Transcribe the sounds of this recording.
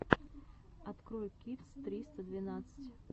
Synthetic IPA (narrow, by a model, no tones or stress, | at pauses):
at̪kɾɔjʲkʲit̪st̪ɾʲist̪əd̪vʲɪnat̪sɨ̥t͡sʲ